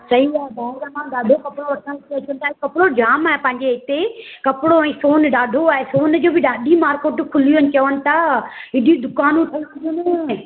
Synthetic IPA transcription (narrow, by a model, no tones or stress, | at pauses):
sɐiaːɦd̪aːeɾamãːɗaːɖʱokɐpɽoʋɐʈʰãt̪eɐt͡ɕənt̪ʰaːɦekɐpɽod͡ʑaːmaːɦepɐ̃ɦɪ̃ɲd͡ʑeɪt̪ekɐpɪɽoɛ̃ːsoːnɗaːɖʱoaːɦesoːnd͡ʑoːbɪɗaːɖʱimaːɾkoːʈkʰʊliənɪ̆t͡ɕɐʋənɪ̆t̪ʰaːɪɗid̪ʊkaːnũt̪ʰɐiʋɐɾijonẽ